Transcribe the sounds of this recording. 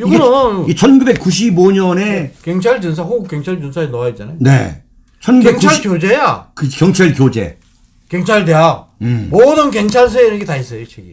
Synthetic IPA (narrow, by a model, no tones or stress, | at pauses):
juɡnʌaiit͡ɕʰʌnɡube̞k͈ːuɕ̬ʰiboɲʌnekeŋt͡ɕʰaɭt͡ɕɯns̬ʰaɸoɡk͈eŋt͡ɕʰaɭd͡ʑɯnsʰaenʌait͡ɕ͈anajonḛ | t͡ɕʰʌnɡukeŋkt͡ɕ͈ːʰaɭkjod͡ʑejakɯkjʌŋt͡ɕʰaɭkjod͡ʑe̞̰ | kjʌŋt͡ɕʰaɭde̞jamodɯnkeŋt͡ɕʰaɭs̬ʰuenɯnɡetais͈ʌjot͡ɕʰeɡḭ